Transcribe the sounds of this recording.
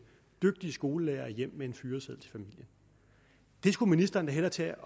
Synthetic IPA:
d̥øɡ̥̚d̥iəsɡ̥o̝ːləleːɐːjem̰mee̝nfyːɐɐseð̰ˠt͡sʰe̝fæmil̰jən | d̥e̝sɡ̥uminisd̥ɐːnd̥æɦelɐt͡sʰɛ

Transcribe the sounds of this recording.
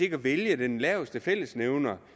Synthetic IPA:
e̝ɡ̥ɐʋeljəd̥enlɛːʊsd̥əfel̰əsneʊnɐ

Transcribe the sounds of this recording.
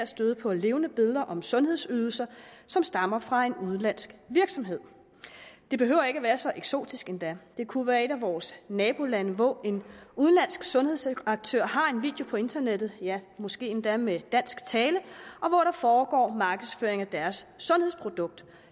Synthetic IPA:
eæsd̥øð̞ˠəpʰɒ̽le̝ːʊnəb̥e̝ðˠɐʔɒ̽msɔ̽nɦe̝ðˠsyːðˠl̩sɐsɒ̽msd̥ɑ̈mɐfʁɑ̈e̝nuð̞ˠn̩læn̰sɡ̥ʋiɐɡ̥sɒ̽mɦe̝ð̰ˠ | d̥e̝b̥e̝ɦøʊɐe̝ɡ̥æʋæːɐsɒ̽ʔeɡ̥so̝̰ːd̥isɡ̥end̥æd̥e̝kʰuʋæːɐe̝ɾæʋɒːsnɛːb̥o̝lænəʋɒe̝nuð̞ˠən̩læn̰sɡ̥sɔ̽nhe̝ðˠsɑ̈ɡ̥̚t͡sʰø̰ɐ̰ɦɑ̈e̝nʋḭːd̥jo̝pʰɒ̽e̝nd̥ɐned̥ð̩ˠjæmɔ̽sɡ̥e̝̰ːend̥æmed̥æn̰sɡ̥t͡sʰɛːləʔɒ̽ʋɒɾ̥ɑ̈fɒːɡ̥ɒ̰ːmɑ̈ːɡ̥əð̩ˠsfø̰ɐ̰eŋæd̥æɐsːɔ̽nhe̝ðˠspʰʁo̝d̥ɔ̽ɡ̥̚d̥

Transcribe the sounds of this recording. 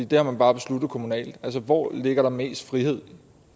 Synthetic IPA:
ḭːd̥e̝hɑ̈mænb̥ɑ̈ːb̥e̝slud̥ð̩ˠkʰo̝munɛ̰ːld̥æls̬əʋɒ̰ːle̝ɡ̥ɐɾ̥ɑ̈me̝̰ːsd̥fʁihe̝ð̞̰ˠ

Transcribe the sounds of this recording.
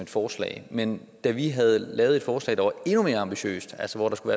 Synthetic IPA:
e̝d̥fɒːslɛ̰ːɪmen | d̥æʋiɦæð̞ˠlɛːʊðˠed̥fɒːslɛ̰ɪd̥ɑ̈ʋɑ̈e̝nume̝ːɐɑ̈mb̥iɕø̰ːsd̥ælsəʋɒɾ̥ɑ̈sɡ̥uʋæːɐ

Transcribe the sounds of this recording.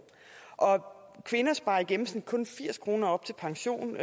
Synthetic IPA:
ʔɒ̽kʰʋe̝nɐsb̥ɑ̈ːiɡ̥emm̩sn̩kʰɔ̽nfiɐ̰skʰʁo̝ːnɐɒ̽b̥̚t͡sʰe̝lpʰɑ̈ŋɕo̝̰ːn

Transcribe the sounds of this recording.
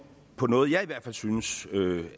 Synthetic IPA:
pʰɒ̽nɔ̽ːð̞̩ˠjɑ̈ɪiʋæɐ̰d̥fælsynəsø

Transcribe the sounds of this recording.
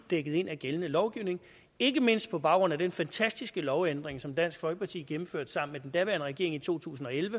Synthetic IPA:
d̥eɡ̥əð̞̩ˠe̝n̰æɡ̥elənəlɒʊɡ̥iʊ̰ne̝ŋ | e̝ɡ̥əme̝n̰sd̥̚pʰɒ̽b̥ɑ̈ʊɡ̥ʁɔ̽næd̥enfænt͡sʰæsd̥isɡ̥əlɒʊend̥ʁeŋsɒ̽md̥æn̰sɡ̥fɒ̽lɡ̥əpʰɑ̈t͡sʰḭːɡ̥emm̩føɐd̥sɑ̈m̰n̩med̥end̥æʋæɐnəʁɛɡ̥̝ɐeŋit͡sʰo̝̰ːt͡sʰṵːsn̩ɒ̽elʋə

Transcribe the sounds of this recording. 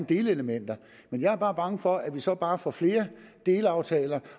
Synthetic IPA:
d̥e̝ːləeləmen̰d̥ɐ | menjɑ̈ɪæɐb̥ɑ̈ːb̥ɑ̈ŋəfɒ̽ʔæʋisɒ̽b̥ɑ̈ːfɒ̰fle̝ːɐ | d̥e̝ːlɑ̈ʊt͡sʰɛːlɐ

